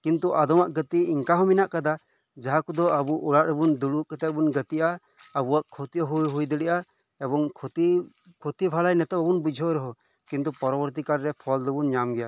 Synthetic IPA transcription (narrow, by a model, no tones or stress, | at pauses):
kint̪uʔad̪ɔmaʔɡət̪iiŋkaɦɔminaʔkad̪a | d͡ʒaɦakud̪ɔabuʔuɽaʔɾɛbund̪uɽuʔkɛt̪aʔbunɡət̪iʔaː | buwaʔkʰot̪iʔɔɦujɦujd̪əɽɛʔa | ɛbɔŋkʰɔt̪i | kʰot̪ibʱalajnɛt̪ɛbabunbud͡ʒʱɔɾɛɦɔ | kint̪upɔɾɔbɔɾt̪̬ikaɾːɛpʰɔld̪ɔbunɲamɡɛja